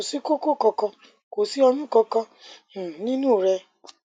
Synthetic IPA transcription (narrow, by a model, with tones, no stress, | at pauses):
o˨si˨˦ko˦ko˦˨kɔ˧kɔ̃˧ | ko˨si˨˦ɔ˧nũ˦kɔ˧kɔ̃˧˨ | nĩ˦nũː˦˨ɾɛ˧